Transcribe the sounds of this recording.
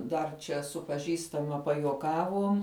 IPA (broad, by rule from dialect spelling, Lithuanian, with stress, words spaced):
ˈdɐr t͡ʃʲɛ sʊ pɐˈʒʲiːstɐmɐ pɐjuɔˈkɑːʋuɔm